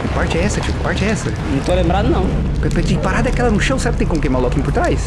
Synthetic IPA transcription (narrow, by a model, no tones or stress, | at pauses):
ipaɾt͡ʃɛɛsɐt͡ʃikpaɾt͡ʃɛɛsɐnɐ̃t̪olẽmbɾad̪unɐ̃w̃ | pepɛd̪ipaɾad̪ɐɛkɛlˠɐnʊʃɐ̃w̃sɛɾk̚t̪ẽkõkejmaɾlˠɔkĩɲ̃upʊɾt̪ɾajs